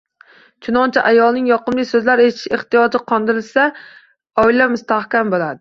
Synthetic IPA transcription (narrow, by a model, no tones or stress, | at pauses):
t͡ʃʰʊnɒnt͡ʃʰaʔajɒlˠnɪŋjɒqɨmlɪsɵzlaɾetʰɪ̥ʃeht̪ɪjɒd͡ʒɪqʰɒnd̪ɪɾɪlsa | ɒilamʊst̪ahkʲambolˠad̪ɪ